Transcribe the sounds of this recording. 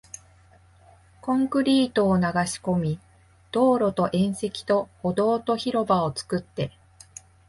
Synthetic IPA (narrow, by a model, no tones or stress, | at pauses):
kõ̞ŋkɯ̟ɾʲiːt̪o̞ːnaɡaɕi̥ko̞mʲi | d̪̥o̞ːɾo̞t̪o̞ʔẽ̞ɰ̃se̞kʲi̥t̪o̞hod̪o̞ːt̪o̞çiɾo̞bao̞t͡sɨ̥kɯ̟t̪ːe̞